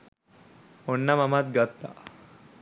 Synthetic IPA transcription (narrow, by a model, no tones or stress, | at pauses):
onːamamat̪̚ɡət̪ːa̰